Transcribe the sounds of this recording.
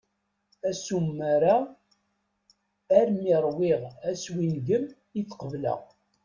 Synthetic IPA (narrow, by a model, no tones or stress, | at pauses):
æsumːaɾa | ɾmiɾˤwiʁæswinɡəm | jit͡sːqəvlə̰ʁ